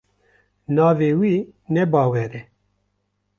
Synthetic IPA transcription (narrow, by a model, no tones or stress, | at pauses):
nɑːveːwiːnɛbɑːwɛɾɛ